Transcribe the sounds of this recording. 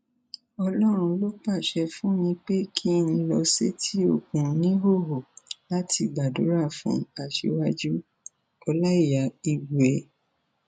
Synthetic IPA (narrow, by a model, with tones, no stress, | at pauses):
ɔ˧lɔ˦ɾ̃ũ˧lo˦k͡pa˦˨ʃɛ˧fũ˦nĩ˧k͡pe˦kʰi˦n̩˧˦lɔ˧se˦tʰi˦o˦˨kũ˨˧˦nĩ˦ɦo˦˨ɦo˨la˦tʰi˧ɡ͡ba˨do˨˦ɾa˦˨fṵ̃˨˦a˨ʃḛ˧˦wa˦d͡ʒu˦ | ɔ˧la˦i˦˨ja˨i˨ɡɛ˨